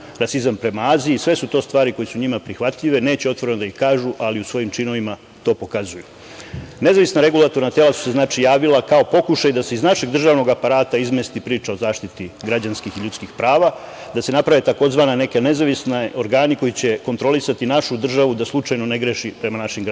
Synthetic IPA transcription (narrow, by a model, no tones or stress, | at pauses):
ɾasizampɾe̞maaːziːsʋe̞sut̪o̞ːst̪ʋaːɾiko̞jesuɲimapɾixʋat̪ʎiʋe̞ne̞ːt͡ɕeo̞t̪ʋo̞ɾe̞nod̪aixkaːʒuʔaliusʋo̞jimt͡ʃino̞ʋima | t̪o̞ːpo̞kazuju | ne̞zaʋisnaɾe̞ɡulˠat̪o̞ɾnat̪e̞lasu̥se̞znaːt͡ʃijaːʋilakao̞po̞kuʃajd̪ase̞iznaʃe̞ɡd̪r̩ʒaːʋno̞ɡapaɾaːt̪aizmest̪ipɾiːt͡ʃao̞zaːʃt̪it̪iɡɾad͡ʑanskixiʎut̪skixpɾaːʋa | d̪ase̞napɾaʋe̞t̪ako̞zʋaːnane̞kene̞zaʋisneo̞ɾɡaːniko̞jit͡ɕe̞ko̞nt̪ɾo̞lisat̪inaʃud̪r̩ʒaʋud̪aslˠut͡ʂajno̞ne̞ɡɾeʃipɾe̞manaʃimɡɾ